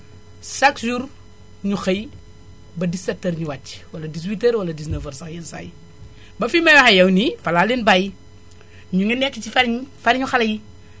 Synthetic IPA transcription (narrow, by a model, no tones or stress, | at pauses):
saksʒuːɾ | ɲuxɐj | bɐdisɛtːəɾɲuwat͡ʃːwɐlɐdis̬witeɾwɐlɐdisnəfəɾsɐxjɐnsa̰ːj | bɐfimɐjɐxɐjɐwnifɐlaːlenbaji | ɲuŋɛnɛkːit͡ʃifɐɾɲfɐɾɲuxɐlɐji